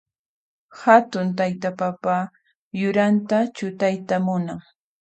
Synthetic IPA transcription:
hat̪ʊnt̪ajt̪apapa | jʊɾant̪at͡ʃʊt̪ajt̪amʊnaŋ

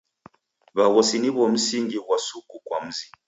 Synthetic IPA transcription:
βaɣɔsiniβɔm̩siŋɡiɣwasukukwa̰m̩zi

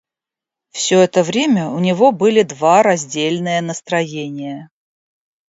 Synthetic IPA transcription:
fsʲɵɛt̪əvɾʲemʲəʊnʲɪvo̞bɨlʲɪd̪vaɾɐzʲdʲelʲnɨjənəst̪ɾɐjenʲɪjə

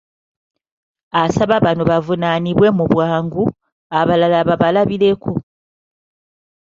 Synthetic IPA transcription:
asaβaβanoβavunaniβwe̞muβwaːŋɡu | aβalalaβaβalaβiɾe̞ku

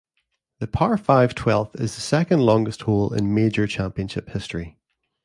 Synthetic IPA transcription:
ðəpʰaɹʔfaɪv̥tʰw̥ɛlˠθɪ̰zðəsɛkə̃ndˡlˠɔ̃ŋɡəst̚holˠɪ̰̃nmed͡ʒə˞t͡ʃʰãmpiə̃nʃɪphɪstəɹ̥i

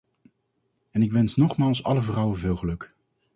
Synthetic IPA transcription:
ɛnɪkʋɛnsnɔχmaːlˠsɑ̰ləvrʌwəvɪːlˠχəlɵk

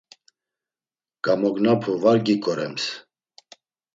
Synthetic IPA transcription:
ɡ̥amɔɡnapʰɔvaɾɡikʼɔɾɛms

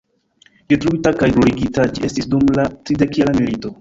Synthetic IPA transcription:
detɾuitakajɡloɾiɡitad͡ʒiʔe̞stisdumlatɾide̞kelamilito̞

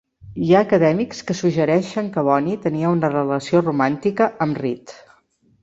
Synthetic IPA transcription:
jaəkəðɛmikskəsuʒəɾɛʃəŋkəβɔnit̪əniəunərələsiorumant̪ikəʔəmrit̪

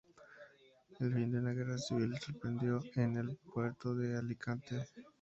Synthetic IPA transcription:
elfind̪eunaɣe̞rasiβilseso̞ɾpɾe̞nd̪jo̞enelpwe̞ɾt̪oðealikʰant̪e

